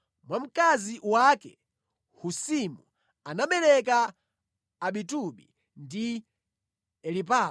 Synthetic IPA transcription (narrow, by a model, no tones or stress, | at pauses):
mwam̩kaziwakɛ | husimu | anaɓɛlɛk̬aː | ɓituɓḭ | ndi | ɛlipa